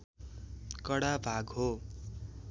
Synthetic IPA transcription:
kʌɽabʱaɡɦo

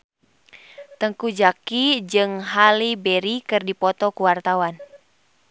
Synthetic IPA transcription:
t̪əŋkud͡ʒakid͡ʒɨŋɦalibɛɾikɨrdipɔt̪ɔkuwart̪awan

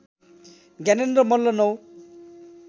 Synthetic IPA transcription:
ɡɛnendɾɔmɔlːɔnow

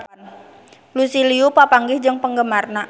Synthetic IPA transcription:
n | lusiliupapaŋɡɪhd͡ʒɨŋpəŋɡəmarna

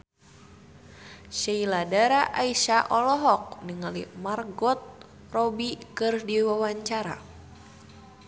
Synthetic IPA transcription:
ʃailadaɾaʔaiʃaʔɔlɔɦɔk̚niŋalḭmarɡɔt̪̚ | rɔbikɨrdiwawaɲt͡ʃaɾa̰

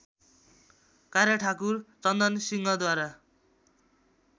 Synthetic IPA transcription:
kaɾjaʈʰakurt͡sʌnd̪ʌnsiŋɡʌd̪waɾa

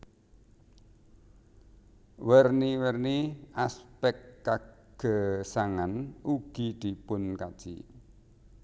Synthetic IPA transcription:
wərniwərniaspɛkːaɡ̥ə̤saŋanuɡ̥id̪̥i̤pʊnkad̥ʒ̥ḭ

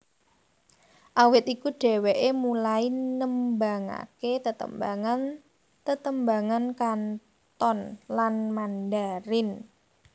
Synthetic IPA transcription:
ʔawɪt̪ikuɖ̥ɛ̤weʔemulainəmbaŋa̰ket̪ət̪ə̰mbaŋan | t̪ət̪əmbaŋankan | t̪ɔnlanmandaɾɪn

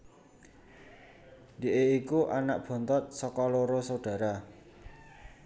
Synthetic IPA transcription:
de̤ʔeikuʔanaʔ̚b̥ɔ̤nt̪ɔt̪̚sɔkɔloɾosaɖ̥ä̤ɾa

